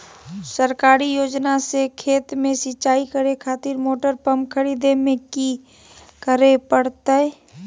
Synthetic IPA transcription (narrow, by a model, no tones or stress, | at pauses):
səɾkaːɾijoːd͡ʒnasekʰeːt̪mẽsɪt͡ʃaːikəɾekʰaːt̪ɪɾmoːʈəɾpəmkʰəɾiːd̪emẽki | kəɾepəɽt̪e